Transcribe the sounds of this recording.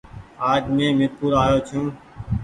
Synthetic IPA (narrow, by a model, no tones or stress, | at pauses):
aːd͡ʒmẽːmɪtpuːɾaːjoːt͡ʃʰũː